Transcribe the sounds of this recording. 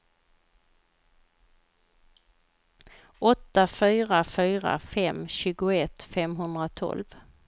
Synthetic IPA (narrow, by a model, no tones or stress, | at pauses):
ʔɔt̪ːafyːɾafyːɾa̰fɛmɕʉ̟ːɡʊɛt̪ːfɛmɦɵnd̪ɾat̪ʰɔ̰lv